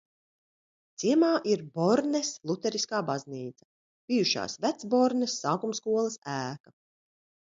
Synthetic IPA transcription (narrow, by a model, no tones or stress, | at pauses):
t̪siɛmaːʔiɾbɔɾnɛslˠut̪ɛɾiskaːbazniːt̪sɐ̥ | b̥ijuʃa̰ːsvæt̪sbɔɾnesːaːkumskuɔlˠɐsæːka